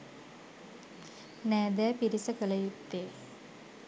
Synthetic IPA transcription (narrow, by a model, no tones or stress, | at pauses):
næːd̪æːpiɾisəkələjut̪ːeː